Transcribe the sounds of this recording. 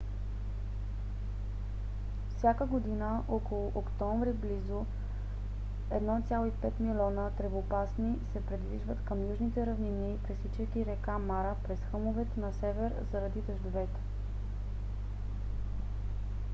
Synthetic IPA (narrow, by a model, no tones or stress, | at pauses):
fsʲjakəɡod̪inəʔɔkolˠʊʔokt̪ɔɱvɾiblizo | ɛd̪nɔt̪sʲjalˠoipɛt̪milʲɔnət̪ɾɛvopasnisɛpɾid̪viʒvət̪kəmjuʒnit̪ɛɾɐvninipɾissit͡ʃɛkʲiɾɛkamaɾəpɾɛsxɤmovɛt̪nɐsɛvɛɾzɐɾɐd̪id̪əʒd̪ovɛt̪ɛ̥